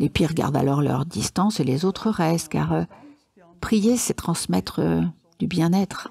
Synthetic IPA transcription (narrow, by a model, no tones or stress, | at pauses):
lepiʁɡa̰ʁd̪a̰lɔʁlœ̰ʁd̪ist̪ɑ̃selezot̪χəʁɛst̪ka̰ʁø | pχijesɛt̪χɑ̃smɛt̪χə̰ | d̪̥ybjɛ̃nɛt̪χ